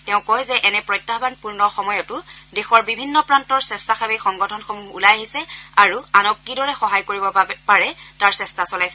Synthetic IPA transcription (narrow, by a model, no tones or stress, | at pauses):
tɛʊ̃kɔjzɛʔɛnɛpɹɔjtːabanpuɹnɔxɔmɔjɔtʊdɛxɔɹbibʱinːɔpɹantɔɹsɛstaxabɛxɔŋɡɔtʰɔnxɔmuulajaɦisɛaɹuanɔkːidɔɹɛxɔɦajkoɹibɔpaɹɛtaɹsɛstasɔlajsɛ